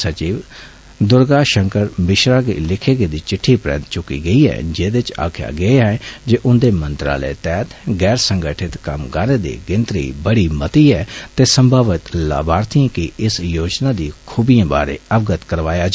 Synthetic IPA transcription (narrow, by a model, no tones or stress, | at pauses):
sət͡ʃiːʋ | d̪ʊɾɡaːʃəŋkəɾmɪʃɾaːɡḛːlɪkʰeːɡeːd̪iːt͡ʃɪʈʰːiːpɾɛ̰̃ːnt̪̚t͡ʃʊkḭːɡəiːɦɛ̰ːd͡ʒeːd̪ɪt͡ʃa̰ːkʰja̰ːɡəeːɦɛd͡ʒeːʔʊnd̪eːmə̃nt̪ɾa̰ːlə̰t̪ɛːt̪ɡɛːɾsə̃ŋɡəʈʰɪt̪kɐmɡaːnẽːd̪ḭːɡɪ̃nt̪ɾḭːbəɽiːmət̪iːɛːt̪eːsəmbʱaːʋɪt̪la̰ːbaːɾt̪ʰiãkɪɪsjoːd͡ʒnaːd̪iːkʰuːbiãːba̰ːɾḛːəʋɡət̪kəɾʋaːjaːd͡ʒ